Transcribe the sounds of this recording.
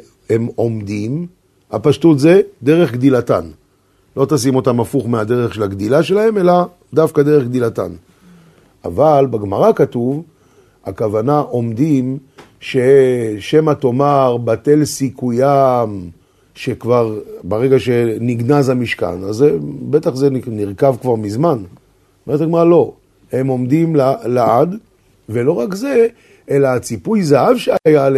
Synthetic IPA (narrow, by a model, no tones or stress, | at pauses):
e̞mo̞md̪im | ha̰paʃtut̪ze̞d̪e̞ʁe̞χɡd̪ilatan | lo̞t̪asimo̞tamafuχmeadeʁeχʃe̞laɡd̪ilaʃe̞lahe̞me̞la | d̪afkadeʁeχɡ̚d̪ilata̰n | ʔa̰valbeɡmaʁakatuv | akavanaʔo̞md̪im | ʃe̞ʃe̞mato̞maʁbate̞lsikujam | ʃekvaʁbaʁe̞ɡaʃe̞niɡnazamiʃka̰nazebe̞taχzenniʁkavkvaʁmizman | meʁt̪aɡmaʁalo̞ | he̞mo̞md̪imlalaad | ve̞lo̞ʁakze̞ | elaːt͡sipujzaɦavʃeaajale